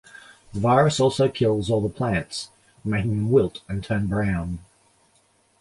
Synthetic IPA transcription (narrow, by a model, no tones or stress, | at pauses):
ðəvaɪɹɨsɔlˠsoʊkʰɪlˠzɔlˠðəpʰl̥æ̃nts | meɪkɪ̃ŋɨ̃nwɪlˠtɨ̃ntʰʌ̃nbɹãʊ̃n